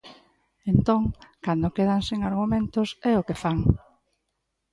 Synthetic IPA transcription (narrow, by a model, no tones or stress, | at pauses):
ent̪oŋkand̪ʊkeð̞aŋsiŋaɾɣumẽnt̪ʊsɛʊkefaŋ